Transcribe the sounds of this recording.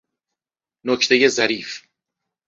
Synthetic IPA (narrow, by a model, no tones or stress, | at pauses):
nocʰt̪ʰe̞je̞zæɾiːf